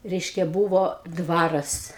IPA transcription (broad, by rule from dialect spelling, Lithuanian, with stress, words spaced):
ˈrʲɛɪʃʲkʲɛ ˈbuːʋoː ˈdʋɑːrɐs